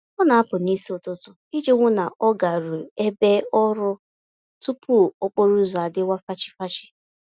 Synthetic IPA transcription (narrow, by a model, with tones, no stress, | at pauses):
ɔ˦na˨a˦pʊ˨ni˦si˦ʊ˨tʊ˦tʊ˦i˦d͡ʒe˦ŋʷʊ˦na˨ʔɔ˦ɡa˨ɾu˨e˦be˦ɔ˦ɾʊ˦ | tu˦pʊ˦o˦k͡po˦ɾu˦zʊ˨a˨dɪ˦wʷa˦fa˦t͡ʃɪ̥˦fa˦t͡ʃɪ̥˦